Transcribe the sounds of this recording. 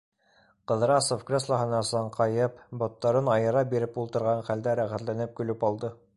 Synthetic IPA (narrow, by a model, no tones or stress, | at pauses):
qɤ̆ðɾɑsofkrʲeslˠɑɦɤ̆nɑsɑɴqɑjɤpbɒt̪ːɑɾɤnɑjɤ̆ɾɑbiɾɘpulˠt̪ɤ̆ɾʁɑɴχæld̪æɾæχæt̪lænɘp̚kɵ̆lɵpɑlˠd̪ɤ